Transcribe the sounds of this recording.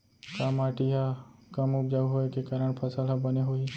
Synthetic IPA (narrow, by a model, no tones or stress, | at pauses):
kamaːʈiɦakɐmʊpd͡ʒəɡɦoekekaːɾəɽ̃pʰɐsəlɦabɐneɦoi